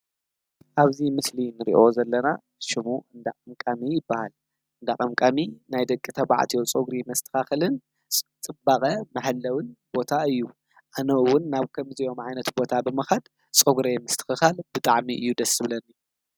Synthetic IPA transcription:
ʔaβzimɨslinɨɾḭʔo̞zɐlːɐna | ʃɪmuɨnd̪akʼɐmkʼamijɪbːahal | ɨnd̪akʼɐmkʼaminajd̪ɐkʼːit̪ʰɐβa̰ʕ̰t̪ʰijot͡sʼoɡɾimɐst̪ʰɨ̥xaxɐlɨn | t͡sʼɨbːakʼɐmɐħlːɐwɨnbo̞t̪ʰaɨjːu | ʔanɐʔɨwʊnːaβkʰɐmzijo̞mʕajnɐt̪bo̞t̪ʰabɨmɐxɐd̪ | t͡sʼoɡɾemɐst̪ʰɨ̥xɨxalbɨt̪ʼaʕmiʔɨjːud̪ɐsɨβlɐnːi

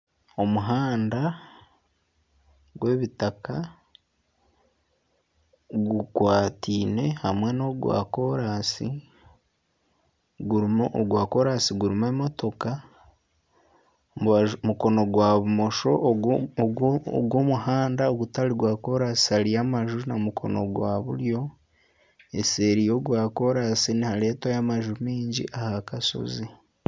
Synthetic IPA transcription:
o̞muɦaːnda | ɡwe̞ːβitaka | ɡukwaːtʰiːne̞hamwe̞no̞ɡwa̰ːko̞ɾasi | ɡuɾɡwaːko̞ɾasiɡuɾime̞ːmo̞to̞ka | muko̞no̞ɡwaːβumo̞ʃo̞ | ɡwomuɦaːndaoɡutaliɡwaːko̞ɾasi̥halijamaʒunamukʰo̞̰no̞̰ɡwaːβṵɾjo̞ | ese̞ːɾijo̞ɡwaːko̞ɾasinihale̞ːtajamaʒumiːɲɟḭʔahakaso̞̰zi

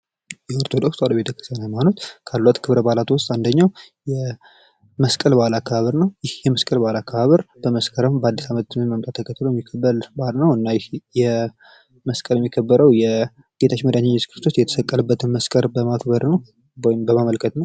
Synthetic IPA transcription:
jɛoɔɾt̪ʰo̞d̪o̞kst̪ʼaləbe̞t̪ʰəkʰɨst̪anamanot̪kʰalːat̪kʰɨβɾəbalat̪ʰwʊst̪ʼand̪əɲːaw | jɛ | məskʼəlbalakʰːaβaβəɾnəwjɪhjɛməskʼəlbalakʰːaβaβəɾb̥əməskʰəɾəmbəad̪ːisamət̪d̪ɨminməmt̪ʼat̪ʰːəkʰət̪ːlojɛmːikʰːəbəlbalnəwɨnːajɪhjɛ | məskʼəljɛmːikʰəbːəɾəwjɛ | ɡ̥e̞t̪ʰat͡ʃːməd̪aɲeɲːɛt̪kʰɾɨst̪ʰosjɛt̪ʰə̥səkʼːələbːət̪ʰɨnməskʼəɾbəmakʰbəɾnəw | ɔjmbəmaməlkʰət̪nəw

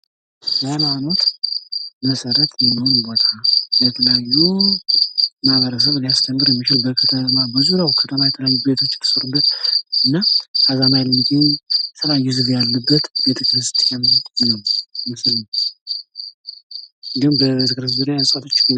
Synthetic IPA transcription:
jamano̞t̪ | məsəɾət̪lɛmːəho̞nbo̞t̪ʰabət̪ʰələjajːu | maβəɾəs̬əβlijast̪ʰəmɡɨɾjɛmːit͡ʃɪlbəkʰət̪ʰəmabəzuɾawkʰət̪ʰəmajɛt̪ʰələjajːube̞t̪ʰo̞t͡ʃːt̪ʰə̥səɾɨbːət̪ɨnːaazamajlmɨk̪ʰʼinsʰɨlajɪzɨβjalːəbːət̪be̞t̪ʰəkɾst̪jamnəwmɨsl | ɨnd̪ihumbəbet̪ʰəkɨɾs̬zɨɾjasʼat̪ʰo̞t͡ʃːk

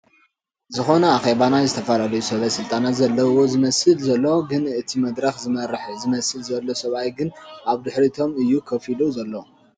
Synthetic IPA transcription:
zɨxo̞nɐaxe̞βanajzɨt̪ʰɐfalalɐjusɐβɐsɨlt̪ʼanat̪zɐlːɐwo̞zɨmɐsɨlzɐlːoɡɨnɨt̪ʰimɐd̪ɾɐxzɨmɐɾɨħzɨmɐsɨlzɐlːo̞sɐβajɡɨnʔaβd̪ɨħɾit̪ʰo̞mɨjːukʰɐfiluzɐlːo

